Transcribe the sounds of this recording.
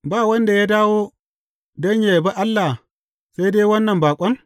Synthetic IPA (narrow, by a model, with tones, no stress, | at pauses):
baː˦˨wɐ˦nda˨ja˦daː˦woː˦ | dɐ˦ɲja˨jba˦ʔa˦lːa˨ | sa˦jdeː˦wɐ˦nːɐ˨mbaː˨kʷʼɐ˦ŋ